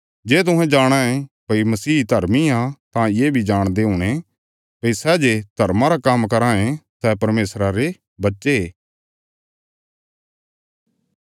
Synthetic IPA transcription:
d͡ʒeːt̪ʊɦɛ̃d͡ʒaːɽ̃aẽpɐimɐsiːd̪ʱɐɾmiãt̪ãjeːbʱid͡ʒaːɽ̃d̪eɦʊɽ̃e | pɐisɛːd͡ʒed̪ʱɐɾmaɾakamkɐɾãːẽsɛːpɐɾmeːsɾaɾe | bɐtːʃeeː

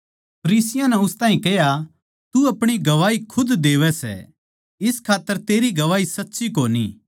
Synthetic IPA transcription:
pʰɐɾiːsɪjãnɛʊst̪ãːĩkɛɦja | t̪uɐpɽ̃iɡɐʋaːikʰʊd̪d̪eːʋɛsɛ̰ | ɪskʰaːt̪ːəɾt̪eːɾiɡɐʋaːisɐtːʃik̬oːnḭ

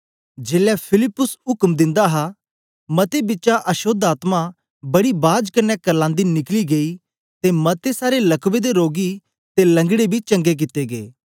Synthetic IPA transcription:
d͡ʒeːlɛpʰɪlɪpːʊsɦʊkmd̪ɪ̃nd̪aɦa | mɐt̪ebɪtːt͡ʃʃaʔɐʃoːd̪aːt̪mã | bɐɽibaːd͡ʒkɐnɛkɐɾlãːnd̪inɪkliɡei | t̪emɐt̪esaːɾelɐkʋed̪eɾoːɡi | t̪elɐ̃ŋɡɽebʱit͡ʃɐ̃ŋɡek̬ɪt̪eɡḛː

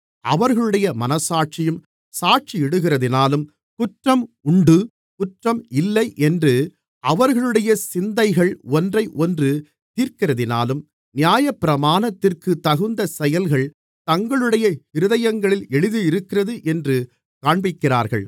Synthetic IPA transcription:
ɐʋɐɾɣɐɭɯɽɐjɐmɐnɐsaːʈ̚t͡ʃɪjɯm | saːʈ̚t͡ʃiɛɽɯɣɪrɐðɪnaːlɯm | kʊʈrɐmʊɳɖɯ | kʊʈrɐmɪlːɐɪʔɛndrɯ | ɐʋɐɾɣɐɭɯɽɐjɐsɪnd̪ɐɪɣɐɭɔndrɐɪʔɔndrɯ | t̪iːɾkɪrɐðɪna̰ːlɯm | nɪjaːjɐpːɪɾɐmaːnɐt̪ːɪrkɯt̪ɐɣɯnd̪ɐsɛjɐlɣɐɭ | t̪ɐŋɡɐɭɯɽɐjɐhɪɾɯðɐjɐŋɡɐɭɪlɛɻɯðɯɪɾɯkːɪrɐðɯʔɛndrɯ | kaːɳbɪkːɪra̰ːɾɣɐ̰ɭ

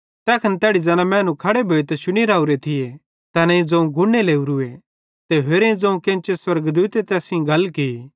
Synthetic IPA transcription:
t̪ɛːkʰɐnt̪ɛːɽid͡zɐnãmɛ̃ːnũkʰɐɽebʱoːet̪ɛʃʊñiɾaːuɾet̪ʰɪje | t̪ɐnɐĩd͡zɐ̃ũɡʱʊneleːuɾue | t̪eɦeːɾẽĩd͡zɐ̃ũkẽːnt͡ʃeswɐɾɡd̪uːt̪et̪ɛːsĩɡʱɐlkii

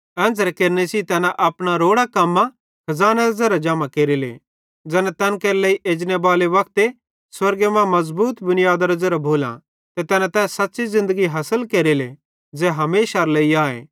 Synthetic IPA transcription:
ɛ̃ːnd͡zɾekeːɾnesit̪ɛːnãʔɐpɽ̃aɾoːɽakɐmːã | kʰɐzaːneɾɐzeɾad͡ʒaːmãkeːɾilḛ | d͡zɛːnãt̪ɛːnkeːɾleiʔeːd͡ʒnebaːleʋɐk̚t̪e | swɐɾɡemɛ̃mɐzbuːt̪bʊnijaːd̪aɾɐzəɾabʱoːlã̰ | t̪et̪ɛːnãt̪ɛːssɐtːʃizɪ̃nd̪əɡiɦɐsəlkeːɾile | d͡zɛːɦɐmeːʃaɾleiaːḛ̃ː

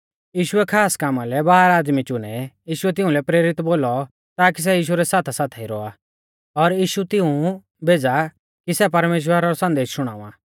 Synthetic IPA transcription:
jiːʃʊɛkʰaːskamalɛbaːaɾaːd̪mit͡ʃʊñɛjiːʃʊɛt̪̬ɪ̃ʊ̃lɛpɾeːɾɪt̪boːlɔ | t̪aːk̬is̬ɛjiːʃ̬uɾɛsaːt̪ʰasaːt̪ʰɛiɾɔ̰a | ɔɾjiːʃut̪ɪũ | bʱeːd͡za | kisɛpɐɾmeːʃ̬wəɾaɾɔsɐ̃nd̪eːʃʃʊɽ̃a̰ːũã̰ː

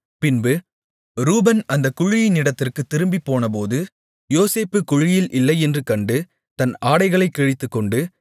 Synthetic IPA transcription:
pɪnbɯ | ɾuːbɐnɐnd̪ɐkʊɻɪjɪnɪɽɐt̪ːɪrkɯt̪ːɪɾɯmbipːoːnɐp̬oːðɯ | joːseːpːɯkʊɻɪjɪlʔɪlːɐɪɛndrɯkɐɳɖɯ | t̪ɐnaːɽɐɪɣɐɭɐɪkːɛɻɪt̪ːɯkːɔɳɖɯ

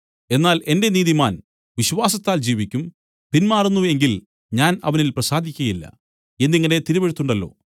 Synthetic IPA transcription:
e̞nːaːle̞nde̞niːðimaːn | ʋiɕʋaːsɐt̪ːaːld͡ʑiːʋikʲːum | pinmaːrunːue̞ŋɡil | ɲaːnɐ̰ʋɐnilprɐsaːd̪ʱikʲːɐjilːɐ̰ | e̞nːiŋːɐne̞t̪iɾubeɻut̪ːuɳɖɐlːo̞̰ː

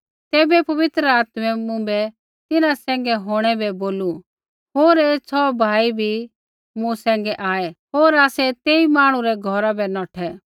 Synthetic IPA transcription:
t̪ɛːbɛpɐʋɪt̪ɾəaːt̪mɛmʊ̃bɛ | t̪ɪnãsɛ̃ːŋ̆ɡɛɦoːɽ̃ɛbɛboːlu | ɦoːɾeːt͡sʰɔbʱaːibʱi | mũsɛ̃ːŋɡɛʔaːɛɦoːɾaːsɛt̪eːimaːɽ̃ũɾɛɡʱɔɾabɛnɔːʈʰɛ

